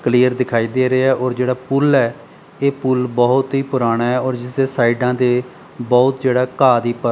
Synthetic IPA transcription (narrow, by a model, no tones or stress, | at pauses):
kliːəɾd̪ɪkʰaːiːd̪eːɾeːɛːʔɔːɾd͡ʒeːɽaːpʊlɛː | eːpʊlbɔːʊt̪ɦiːpʊɾaːɽ̃aːɛːɔːɾd͡ʒɪseːsaːiɖãːd̪eː | bɔːʊt̪d͡ʒeːɽaːkaːd̪iːpə